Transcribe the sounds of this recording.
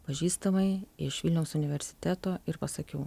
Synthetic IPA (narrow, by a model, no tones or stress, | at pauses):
pɐʒʲiːst̪ɐmɐɪɪʃʋʲɪlʲnʲɛʊsʊnʲɪʋʲɛɾʲsʲɪ̥t̪ʲæːt̪oːɪɾpɐsɐkʲɛʊ